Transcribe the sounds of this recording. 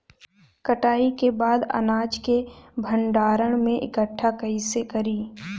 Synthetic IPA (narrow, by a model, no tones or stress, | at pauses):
kəʈaːikebaːd̪ɐ̰naːd͡ʒkebʱəɳɖaːɾəɽ̃mẽʔɪ̰kəʈʰːakəisekəɾiː